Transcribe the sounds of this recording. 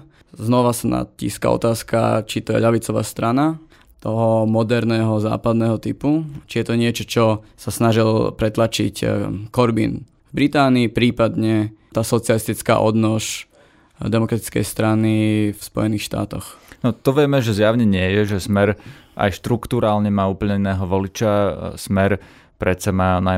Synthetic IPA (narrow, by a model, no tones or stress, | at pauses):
znɔʋasana̰cḭːska̰ɔ̰t̪aːska̰t͡ʃit̪ɔjɛ̰ʎaʋit͡sɔʋa̰ːst̪ɾana | t̪ɔɦɔmɔd̪ɛɾnɛːɦɔza̰ːpad̪nɛːɦɔt̪iput͡ʃijɛt̪ɔɲɪɛt͡ʃɔt͡ʃɔsasnaʒilpɾɛt̪lat͡ʃḭckɔɾbḭːn | vbɾit̪aːniːpɾiːpad̪ɲɛt̪aːsɔt͡sɪalist̪it͡ska̰ʔɔ̰d̪nɔʃ | d̪ɛmɔkɾat̪i̥t͡skɛ̰jst̪ɾanifspɔ̰jɛniːxʃt̪a̰ːt̪ɔxnɔt̪ɔʋɪɛmɛʒɛzjaʊɲɛɲɪɛjɛʒɛsmɛɾa̰jʃt̪ɾukt̪uɾaːlɲɛmaːuːpl̩ɲɛinɛːɦɔʋɔlit͡ʃasmɛɾ | pɾɛt͡samaːna